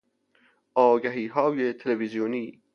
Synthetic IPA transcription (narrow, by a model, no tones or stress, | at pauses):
ɒːɡæɦiːɦɒːjet̪ʰelevizijoniː